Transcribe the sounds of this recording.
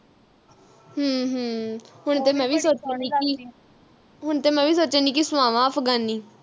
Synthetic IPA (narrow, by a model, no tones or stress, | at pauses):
ɦəɦəɦʊɳ̃t̪eːmɛ̃ːʋiːsoːt͡ʃãːniːki | ɦʊɳt̪eːmɛ̃ːʋiːsoːt͡ʃãːniːkisʊʋãːʋãːəpʰɡaːnːiː